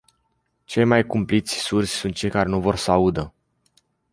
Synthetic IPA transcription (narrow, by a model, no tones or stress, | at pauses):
t͡ʃe̞jmajkumplit̪sʲsursʲsunt̪̚t͡ʃe̞jkaɾe̞nuvo̞rsaud̪ə